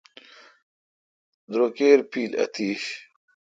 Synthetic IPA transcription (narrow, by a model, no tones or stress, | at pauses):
d̪ɾoːkeːɾpiːlɐ̰t̪iːɕ